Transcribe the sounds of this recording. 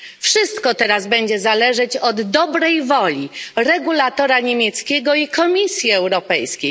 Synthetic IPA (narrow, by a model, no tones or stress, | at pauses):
fʂɘst̪kɔt̪ɛɾazbɛɲd͡ʑɛzalɛʐɛt͡ɕɔd̪ːɔbɾɛjvɔlʲiɾɛɡulat̪ɔɾaɲemʲjɛt̪skʲɛɡɔikɔmʲisʲjiɛwɾɔpɛjskʲej